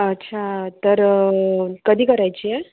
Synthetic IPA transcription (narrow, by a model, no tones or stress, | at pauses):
ətːɕʰat̪əɾ | kəd̪ʱiːkəɾajt͡ɕiːje